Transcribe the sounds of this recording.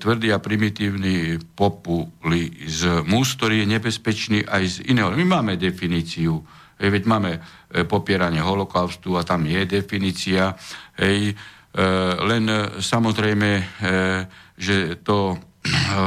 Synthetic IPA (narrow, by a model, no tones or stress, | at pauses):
t̪ʋr̩d̪iːapɾimit̪iːʊnipɔpulizmusk̚t̪ɔɾiːjɛɲɛbɛspɛt͡ʃniːʔajzḭnɛːɦɔmimaːmɛd̪ɛfiniːt͡siu | ɦɛjʋɛɟmaːmɛ | pɔpɪɛɾaɲɪɛɦɔlɔkaʊst̪uat̪amjɛd̪ɛfiniːt͡siaɦɛj | lɛnsamɔzɾɛjmɛ | ʒɛt̪ɔ